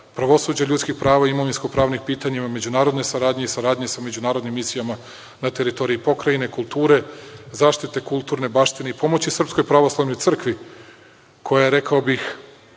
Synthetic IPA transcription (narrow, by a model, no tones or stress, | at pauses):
pɾaʋo̞suːd͡ʑaʎut̪skixpɾaːʋaiimoʋinsko̞pɾaːʋnixpiːt̪aɲimame̞d͡ʑunaːɾod̪ne̞saɾaːd̪ɲe̞isaɾaːd̪ɲe̞same̞d͡ʑunaːɾo̞d̪nimːisijama | nat̪eɾit̪o̞ɾiipo̞kɾajine̞kulˠt̪uːɾe̞zaːʃt̪it̪e̞kulˠt̪uːɾne̞baːʃt̪ine̞ipo̞mo̞t͡ɕisr̩psko̞jpɾaʋo̞slˠaʋno̞j̪r̩kʋi | kʰo̞jajeɾe̞kaobix